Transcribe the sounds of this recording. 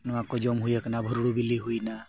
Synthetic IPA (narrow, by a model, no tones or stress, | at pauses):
nɔwakɔd͡ʒɔmɦujɛknabʱɔɾuɽubiliɦujna